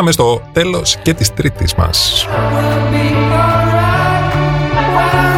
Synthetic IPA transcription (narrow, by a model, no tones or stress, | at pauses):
ɐmest̪o̞t̪e̞lo̞sce̞t̪ist̪ɾit̪ḭzmɐ̰s | i | a